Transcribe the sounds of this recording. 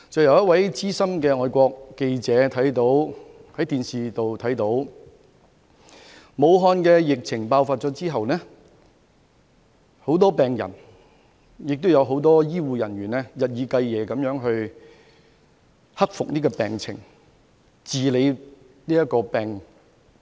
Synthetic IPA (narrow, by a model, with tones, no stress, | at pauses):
t͡sɐ˨wjɐ˨˧wjɐ˥t̚wɐ˨˥jt͡siː˥sɐ˥mkɛː˧ŋɔː˨˧jkʷɔː˧kːe˧jt͡sɛː˨˧˥t̪ʰɐ˨˥jt̪̬o˨˥whɐ˨˥jt̪iː˨nsiː˨t̪o˨wt̪ʰɐ˨˥jt̪o˨˥w | mo˨˧wɦɔː˧nkɛː˧jɪ˨k̚t͡sʰɪ˨˩ŋpaː˧wfaː˧t̚t͡ʃɔː˨˥t͡siː˥ɦɐ˨wnɛ˥ | ho˨˥wt̪ɔː˥pɛː˨ŋjɐ̰˨˩n | jɪ˨k̚t̪o˥wjɐ˨˧wɦo˨˥wt̪ɔː˥jiː˥wuː˨˧jɐ˨˩nɥyː˨˩nɛː˥jɐ˨t̚jiː˨˧kɐ˧jjɛː˨˧kɐ˨˥mjœː˨˥ŋɦɵ˧ɥ | hɐ˥k̚fʊ˨k̚niː˥kɔː˧pɛː˨ŋt͡sʰɪ̰˨˩ŋ | t͡siː˨le˨˧j | niː˥jɐ˥t̚kːɔː˧pɛː˨ŋ